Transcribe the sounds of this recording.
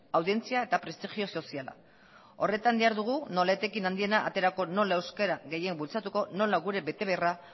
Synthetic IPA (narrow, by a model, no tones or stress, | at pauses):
awðie̞nt͡siae̞t̪apɾe̞st̪ixio̞so̞siala̰ | o̞re̞t̪and̪iaɾðuɣ̞uno̞laet̪e̞kinand̪ie̞naʔa̰t̪e̞ɾako̞no̞lae̞wskeɾaɣe̞je̞mbult͡sat̪uko̞no̞laɣuɾe̞be̞t̪e̞β̞e̞ra